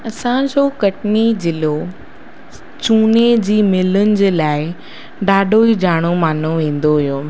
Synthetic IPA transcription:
ɐsãd͡ʑoːkɐʈnid͡ʑɪlo | t͡ɕuːned͡ʑiːmɪlʊnɪ̆d͡ʑeːlaːɪ | ɖaːɖʱoid͡ʑaːɽ̃omaːn̤oʋẽːn̆d̪oɦijoː

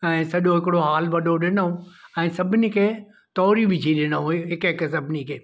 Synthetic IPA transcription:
ɛ̃ːsɐʄoɦɪkɪɽoɦaːlʋɐɗʱoɗɪnəɦũɛ̃ːsɐbʱɪnikʰeː | t̪ɔːɾibɪd͡ʒʰʱiɗɪnɦũɦɪkɦɪks̬ɐbʱɪnikʰeː

